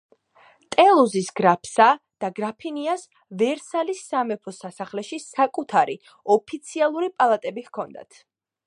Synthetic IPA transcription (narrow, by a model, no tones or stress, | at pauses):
t̪ʼɛlˠuzisɡɾapʰsa | d̪̥aɡɾapʰinias | vɛɾsalisːamɛpʰɔsasaχlɛʃisakʼut̪ʰaɾi | ɔpʰit̪sʰialˠuɾipʼalˠat̪ʼɛbihkʰɔnd̪a̰t̪ʰ